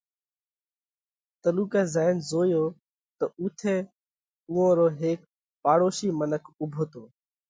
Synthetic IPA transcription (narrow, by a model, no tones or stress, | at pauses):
t̪əluːkɛːzaːnzoːjoː | t̪əuːt̪ʰeː | uːõːɾoːɦeːk | paːɽoːʃiːmənəkʰʊbʱoːt̪oː